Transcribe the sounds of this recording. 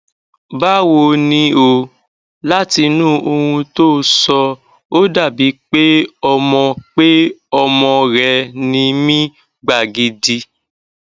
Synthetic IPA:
ba˦wo˧nĩ˧˦o˧ | la˦ti˧nũ˦ʔo˧hũ˧to˦sɔ˧ | o˦da˦˨bi˨˦k͡pe˦ɔ˧mɔ̃˧k͡pe˦ɔ˧mɔ̃˧ɾɛ˧nĩ˧mĩ˦ | ɡ͡ba˨ɡi˧di˧

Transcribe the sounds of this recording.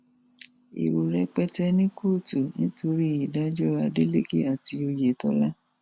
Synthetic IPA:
ḭ˨ɾu˨ɾɛ˧k͡pɛ˦tɛ˧nĩ˦ko˦˨tu˨nĩ˦tʰo˧ɾi˦i˨da˦d͡ʒɔ˦a˧de˦le˦ke˦a˨ti˧o˧je˨tɔ˧˦la˦

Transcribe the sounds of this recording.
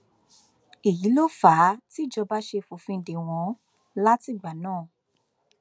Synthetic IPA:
i˨ji˨˦lo˦˨faː˨˦ti˦˨d͡ʒɔ˧ba˦ʃe˧fo˨fĩ˧˨de˨w̃ɔ̃˨˦ | la˦ti˦˨ɡ͡ba˨nãː˦˨

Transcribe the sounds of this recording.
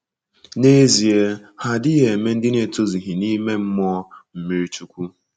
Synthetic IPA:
ne˦zi˨e˦ha˦dɪ˦ɣe˨e˨me˦n̩˦dɪ˦ne˨to˦zi˨ɦi˨ni˦me˦m̩˦mɔ˦m̩˨mi˨ɾi˦t͡ʃu˦kʷu˦

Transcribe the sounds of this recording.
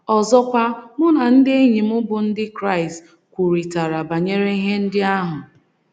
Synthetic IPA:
ɔ˨zɔ˦kʷa˦mʊ˦na˨n̩˦dɪ˦e˦ɲi˨mʊ˦bʊ˨n̩˦dɪ˦kɾa˦˨ɪ˨st | kʷu˨ɾi˨ta˨ɾa˨ba˨ɲe˦ɾe˦i˦ɦe˦n̩˦dɪ˦a˦ɦʊ˨

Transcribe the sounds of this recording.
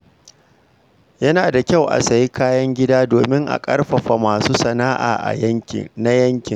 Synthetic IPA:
jɐ˦naː˨da˨kʲa˦˨wʔa̰˨sa˨ji˦kaː˦jɐ˦ŋɡʲɪ˦daː˦doː˨mɪ˦ŋʔa̰˨kʼɐ̰˦rɸɐ˨ɸa˨maː˨suː˦sɐ˨naː˦ʔa̰ː˨ʔa̰˨jɐ˦ŋʲɪ̰˨na˦jɐ˦ŋkʲɪ˨ŋ

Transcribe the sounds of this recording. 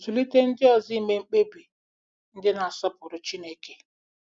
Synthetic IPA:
zu˨li˦te˦n̩˦dɪ˦ɔ˨zi˦˨me˨˦ŋ͡m̩˦k͡pe˦bi˨ | n̩˦dɪ˦na˨a˨sɔ˦pʊ˨ɾʊ˨t͡ʃi˦ne˦ke˨

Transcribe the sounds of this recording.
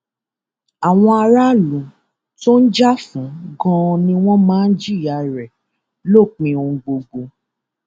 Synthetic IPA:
a˨w̃ɔ̃˧a˧ɾa˦lũ˨˦ | to˦n̩˦d͡ʒa˦fũ˨˦ɡɔ̃˦˧nĩ˧w̃ɔ̃˦mãː˦n̩˦d͡ʒi˦˨ja˨ɾɛ˨ | lo˦˨k͡pĩ˧o˧˦ɡ͡bo˧ɡ͡bo˧

